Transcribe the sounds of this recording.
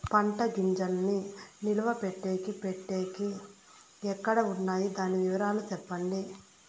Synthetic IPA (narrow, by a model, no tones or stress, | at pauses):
pɐɳʈɐɡiɲd͡ʒɐlninilɐʋɐpeʈːe̞ːkipeʈːeːki | ɛkːɐɽɐunːaːjid̪aːniʋiʋɐɾaːlut̪ɛpːɐɳɖi